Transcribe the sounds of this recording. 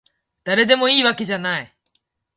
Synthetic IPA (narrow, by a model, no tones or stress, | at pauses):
d̪̥aɾe̞d̪e̞mo̞iːβake̞ʑanai